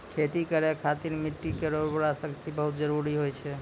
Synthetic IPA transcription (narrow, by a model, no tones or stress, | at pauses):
kʰet̪ikəɾekʰat̪iɾmiʈːikeɾobəɾasəkt̪ibəɦut̪̚d͡ʒəɾuɾiɦojt͡ʃʰɛ